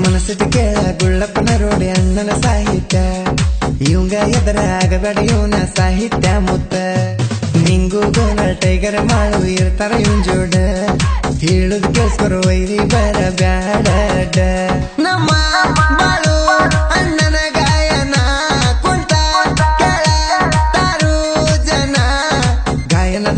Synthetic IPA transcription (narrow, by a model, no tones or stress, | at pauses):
mɐnɐsiʈiɡelɐɡuɭːɐpːɐnɐɾoːɽiɐɳːɐnɐsaːɦit̪jɐ | jiŋɡɐjɐd̪ɐɾɐaːɡɐbaːɽɐjunɐsaːɦit̪jɐmut̪ːɐ | niŋɡuɡɐnɐlʈɐjɡɐɾɐmaːɭuiɾt̪ɐɾɐjund͡ʒoːɖɐ | hiɭud̪ɡeskɐɾʋɐjɾibɐɾɐbjaːɦɐlɐɖɐ | nɐmːɐbaːɭuɐnːɐnɐɡaːjɐnɐkuɳt̪ɐkɐɭɐd̪aːɾu | d͡ʒɐnɐ | ɡaːjɐnɐ